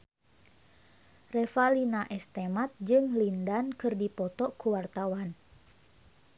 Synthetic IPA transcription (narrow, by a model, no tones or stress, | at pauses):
rɛfalinaʔɛst̪emat̪̚d͡ʒɨŋlindankɨrdipɔt̪ɔkuwart̪awan